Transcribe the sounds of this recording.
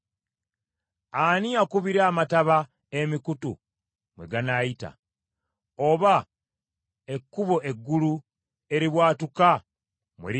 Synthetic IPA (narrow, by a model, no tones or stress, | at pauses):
aniakuβiɾaːmataβa | emikutṵ | mwe̞̰ɡanajita̰ | oβa | e̞kːuβo̞ʔe̞ɡːulu | e̞ɾiβwaːtuka | mweɾi